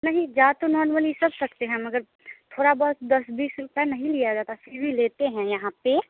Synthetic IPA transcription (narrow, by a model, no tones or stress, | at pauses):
nɐɦĩd͡ʒaːt̪onɔːɾməlisɐbsɐkt̪eɦɛ̃mɐɡəɾ | t̪ʰoːɽabɔɦt̪d̪ɐsbiːsɾʊpɛnɐɦĩlijad͡ʒaːt̪asibʱileːt̪eɦɛ̃jɐɦãpe